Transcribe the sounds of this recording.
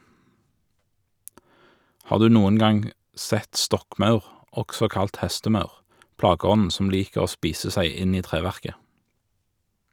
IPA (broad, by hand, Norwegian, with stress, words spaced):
ˈhɑːʁ ˈdʉː ˈnuːən ˈɡɑŋ ˈsɛt ˈstɔkˌmɑʉʁ ˈɔksɔ ˈkɑlt ˈhɛstəˌmɑʉʁ ˈplɑːɡəˌɔnn̩ ˈsɔm ˈliːkəʁ ˈoː ˈspiːsə ˈsæɪ ˈɪn ˈiː ˈtʁeːʋæʁkə